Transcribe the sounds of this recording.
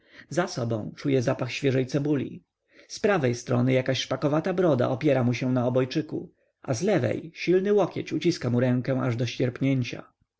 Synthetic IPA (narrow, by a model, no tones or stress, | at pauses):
zasɔbɔ̃w̃t͡ʂujɛzapaxɕfʲjɛʐɛjt̪sɛbulʲḭ | spɾavɛjst̪ɾɔnɘjakaɕʂpakɔvat̪abɾɔd̪a̰ʔɔpʲjɛɾamuɕɛ̃naɔbɔjt͡ʂɘkṵ | ʔa̰zlɛvɛ̰jɕilnɘwɔkʲjɛt͡ɕut͡ɕiskamuɾɛ̃ŋkɛ̃ʔaʐd̪ɔɕt͡ɕɛɾpɲeɲt͡ɕa̰